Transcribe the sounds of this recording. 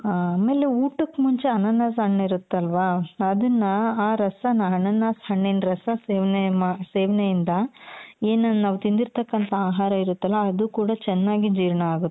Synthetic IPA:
aːmeːleuːʈukːmuɲt͡ʃeɐnɐnːaːsɦɐɳːɐiɾut̪ːɐlʋaːɐd̪ɐnːɐaːɾɐsɐnaɦɐɳɐnːaːshɐɳːinɾɐsɐseːʋɐnemaːseːʋɐnejind̪ɐeːnɐnaːʋt̪ind̪iɾt̪ɐkːɐnt̪ʰɐaːɦaːɾɐiɾut̪ːɐlːɐːd̪ukuːɽɐt͡ʃɛnːaːɡid͡ʒiːɾɐɳɐaːɡut̪ːe̥

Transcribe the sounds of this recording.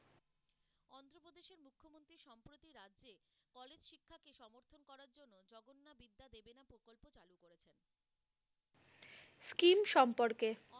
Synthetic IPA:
ɔnt̪ɾopod̪eʃeɾmukʰːomont̪ɾiʃɔmpɾot̪iɾadːʑe | kɔled͡ʑʃikʰːakeʃɔmoɾt̪ʰonkɔɾaɾd͡ʑonːod͡ʑɔɡonːabid̪ːad̪ebenapɾokolpot͡ɕalukoɾet͡ɕʰen | skimʃɔmpoɾke

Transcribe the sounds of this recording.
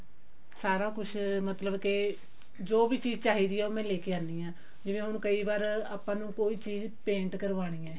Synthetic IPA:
saːɾãːkʊʃʰmət̪ləbke | d͡ʒoːbiːt͡ʃiːd͡ʒt͡ʃaːɦiːd̪iːɛːoːmɛ̃ːleːkeːaːniːãː | d͡ʒɪʋẽːɦʊɽ̃kəiːbaːɾaːpãːnũːkoːiːt͡ʃiːz | pẽːɳʈkəɾʋaːɽ̃iːɛː

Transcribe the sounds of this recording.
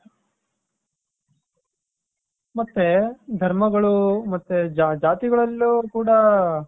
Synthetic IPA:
mɐt̪ːed̪ʱɐɾmɐɡɐɭumɐt̪ːed͡ʒad͡ʒaːt̪iɡɐɭɐlːukuːɽɐ

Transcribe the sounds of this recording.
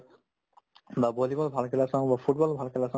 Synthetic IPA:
babolikɔlbʱalkʰɛlasɔbapʰuʈ̚bɔlbʱalkʰɛlasɔ

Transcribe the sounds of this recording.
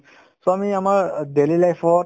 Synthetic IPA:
soamiamaɹdelilajfʰɔ

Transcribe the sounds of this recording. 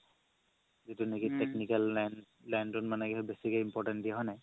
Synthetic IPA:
zitunekitɛknikaln | lɛndɔnmanɛkɛhɛbesikɔjimpɔɹʈɛntdijaɦɔjnɛ

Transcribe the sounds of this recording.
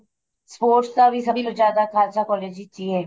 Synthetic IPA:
spoːɾʈst̪abʱisəbʱilod͡ʒaːd̪akʰaːlt͡ʃakɔːleːd͡ʒit͡ʃiːɦɛː

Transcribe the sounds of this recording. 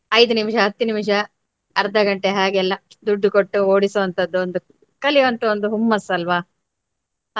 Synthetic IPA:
ɐjd̪unimʂɐɦɐt̪ːinimʂ̬ɐː | ɾd̪ɐɡɐɳʈeɦaːɡɛlːɐ | d̪uɖːukoʈːuoːɽisoːɐnt̪ɐd̪ːuond̪u | kɐliʋɐnt̪uond̪uɦumːɐsːɐlʋaː

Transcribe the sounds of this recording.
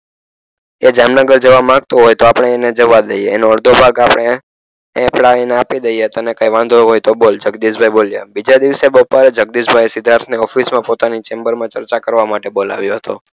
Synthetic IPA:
ed͡ʒamnəɡəɾd͡ʒəʋamãɡt̪oɦojt̪oapəɳ̃eːned͡ʒəʋad̪əjeːnoəɽd̪ʱobʱaɡapəɳ̃e | pɽaeneapid̪əjet̪ənekajʋãnd̪ʱoɦojt̪obold͡ʒəɡd̪isbʱajbolja̰bid͡ʒad̪iʋsebəpaɾed͡ʒəɡ̚d̪isbʱajsɪd̪ʱaɾt̪ʰneɔfismãpot̪anit͡ʃembəɾmãt͡ʃəɾt͡ʃakəɾʋamaʈebola̰ʋjoɦət̪o

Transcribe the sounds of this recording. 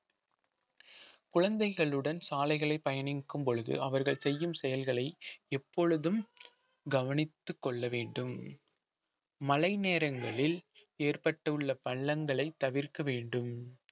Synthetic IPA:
kʊɻɐnd̪ɐɪɣɐɭɯɽɐnsaːlɐɪɣɐɭɐɪpːɐjɐnɪkːɯmpɔɻɯðɯ̰ʔɐʋɐɾɣɐɭsɛjːɯmsɛjɐlɣɐɭɐɪɛpːɔɻɯðɯm | ɡɐʋɐnɪt̪ːɯkːɔɭːɐʋeːɳɖɯm | mɐlɐɪneːɾɐŋɡɐɭɪleːrpɐʈːɯɯɭːɐpɐɭːɐŋɡɐɭɐɪt̪ːɐʋɪɾkɐʋeːɳɖɯm

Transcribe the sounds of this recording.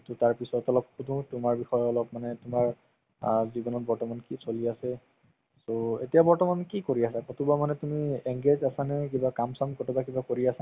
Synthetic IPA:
tutaɹpisɔtɔlɔpxudũtʊmaɹbixɔjɔlɔbmanɛtʊmaɹ | zibɔnɔtbɔɹtɔmankisoliasɛ | soetijabɔɹtɔmankikoɹiasakotʰubamanɛtumieŋɡezasanɛk̬ibakamsamkɔtʰɔtak̬ibakoɹiasa

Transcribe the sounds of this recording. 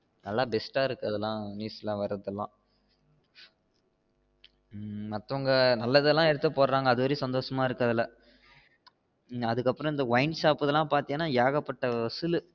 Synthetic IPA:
nɐlːaːbɛsʈaːɪɾɯkːɐðɛlːãːniːsɛlãːʋɐɾɐðɛlːã̰ː | mɐt̪ːɐʋŋɡɐnɐlːɐðɛlːãːɛɽɯt̪ːɐpoːɾɾaːŋɡɐɐðɯʋɐɾisɐnd̪oːʂɐmaːɪɾɯkːɐðɪlːɐ | ɐðɯkːɐpːɯɾɔ̃ɪnd̪ɐʋɐɪnsaːpɯðɛlːãːpaːɾt̪ɪ̃ŋɐnːaːjaːɣɐpːɐʈːɐɐsɯlɯ

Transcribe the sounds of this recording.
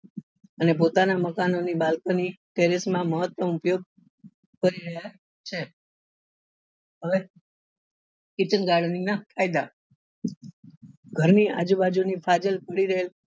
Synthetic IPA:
ənep̬ot̪anaməkanonibalkəniʈeɾismãməɦət̪wəmupjoɡ̚ | kəɾiɾəɦja | t͡ʃʰe | ɦəʋe | kit͡ʃənɡaɾɖninakʰajd̪a | ɡʱəɾnia̰d͡ʒubad͡ʒunifʰad͡ʒəlpəɽiɾəɦel

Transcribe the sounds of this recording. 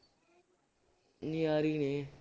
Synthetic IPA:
nijaːɾiːneː

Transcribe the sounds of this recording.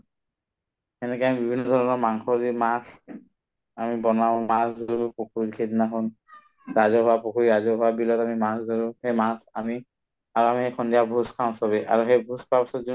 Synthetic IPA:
ɛnɛkɛamibibʱinːɔd̪ʱɔɹɔnɔɹmaŋxɔɹimas | amibɔnaʊ̃masɡolbpokʰuɹikʰednaɦɔn | ɹazɔɦʊwapokʰuɹiɹazɔɦʊwabilɔtamimasɡɔɹuxejmasa̰mi | aɹuamixejkʰɔndijabʱuskʰaʊ̃sɔβɛʔa̰ɹuxejbʱuspapasɔtzi

